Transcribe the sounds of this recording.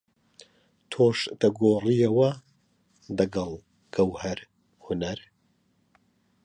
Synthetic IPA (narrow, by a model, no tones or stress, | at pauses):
t̪ʰoːʃd̪̥ɐɡoːrijɐwɐ | d̪ɐɡɐlˠ | ɡ̥ɐwhɐɾ | hʊnɐɾ